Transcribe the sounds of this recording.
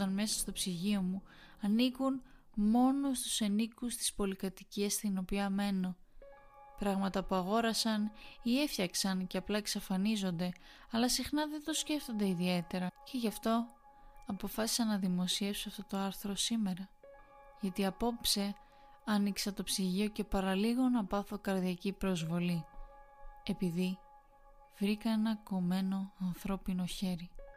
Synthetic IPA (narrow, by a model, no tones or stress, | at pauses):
ɐnme̞sɐ̥st̪o̞psiʝio̞muɐnikun | mo̞nost̪u̥senikust̪i̥spo̞likɐt̪iciɐst̪ino̞piɐme̞no̞ | pɾɐɣmɐt̪ɐpuɐɣo̞ɾɐsɐnie̞fçɐksɐnceɐplɐeksɐfɐnizo̞nd̪e̞ | ɐlɐsixnɐðend̪o̞sce̞ft̪o̞nd̪e̞iðie̞t̪e̞ɾɐce̞ʝɐft̪o̞ | ɐpo̞fɐsi̥sɐnɐðimo̞sie̞fsoɐft̪o̞t̪o̞ɐɾθɾo̞sime̞ɾɐ | ʝɐt̪iɐpo̞pse̞ | ɐniksɐt̪o̞psiʝio̞ce̞pɐɾɐliɣo̞nɐpɐθo̞kɐɾðiɐcipɾo̞zvo̞li | e̞piði | vɾikɐe̞nɐko̞me̞no̞ɐnθɾo̞pino̞çe̞ɾi